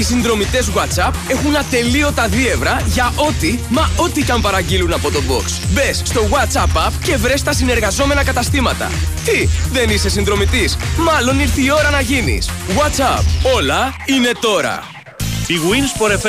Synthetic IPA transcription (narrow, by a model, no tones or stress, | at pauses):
isinðɾo̞mit̪e̞zɣwɐt͡sɐpe̞xunɐt̪e̞lio̞t̪ɐðie̞vɾɐʝɐʔo̞t̪imɐo̞t̪icɐmpɐɾɐɟilunɐpo̞t̪o̞bo̞̰ksbe̞sːt̪o̞ɣwɐt͡sɐpɐfce̞vɾe̞st̪ɐsine̞ɾɣɐzo̞me̞nɐkɐt̪ɐst̪imɐt̪ɐ̰t̪iðe̞nise̞sinðɾo̞mit̪ismɐlo̞niɾθiːo̞ɾɐnɐʝinḭsɣwɐt͡sɐpo̞lɐine̞t̪o̞ɾɐ̰ | iɣwinspo̞ɾef